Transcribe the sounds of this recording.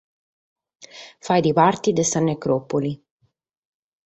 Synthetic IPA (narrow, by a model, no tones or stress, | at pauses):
fajd̪iβart̪id̪esanekɾopoli